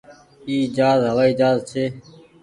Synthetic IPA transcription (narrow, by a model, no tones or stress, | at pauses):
iːd͡ʒaːzɦəʋaːiːd͡ʒaːzt͡ʃʰeː